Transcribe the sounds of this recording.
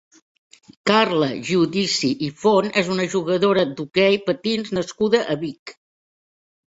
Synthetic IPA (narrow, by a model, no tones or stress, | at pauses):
karləʒuðisiʔifonezunəʒuɣəðoɾəd̪ukɛjpət̪inznəskuðəʔəβik